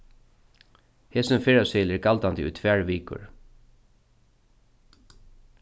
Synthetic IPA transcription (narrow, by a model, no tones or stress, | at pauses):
heːsɪmfɪɹasɛlɛɹɡalt̪ant̪ɪʔṵjt̪ʰʋæːɹʋiːkʊ̰ɹ